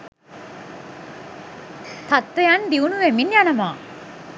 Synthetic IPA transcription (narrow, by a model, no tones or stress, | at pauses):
t̪at̪ːəjand̪iunuʋeminjanɐmaː